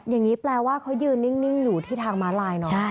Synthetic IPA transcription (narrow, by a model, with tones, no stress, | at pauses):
ja˨˩ŋːiː˦˥plɛː˧waː˥˩kʰa˦˥wjɯː˧nːi˥˩ŋni˥˩ŋjuː˨˩t̪ʰiː˥˩t̪ʰaː˧ŋmaː˦˥laː˧jnɔ˧˦˥t͡ɕʰa˥˩